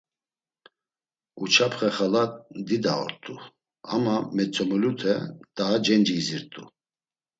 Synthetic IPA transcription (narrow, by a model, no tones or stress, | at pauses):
ut͡ʃʰapχɛχalad̪id̪aɔ̰ɾt̪ʼu | amamɛt͡sʼɔmɔlut̪ʰɛt̪ʼaːd͡ʒɛnd͡ʒiːziɾt̪ʼṵ